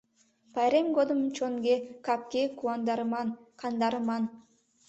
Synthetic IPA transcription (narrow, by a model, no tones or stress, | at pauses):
pajɾemɡod̪ɨmt͡ʃonɡʲekap̚kʲekuand̪ɑɾɯmɑnkʰɑnd̪ɑɾɯmɑn